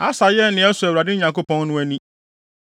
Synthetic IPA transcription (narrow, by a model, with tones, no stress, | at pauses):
a˦sa˨jɛ˦nɪ̃˨ɛ˦sʊ˨æ˨wɾa˨dɪ˦ɲã˨ŋko˦pɔ̃˦n˦nʊ̃˦æ˦nĩ˦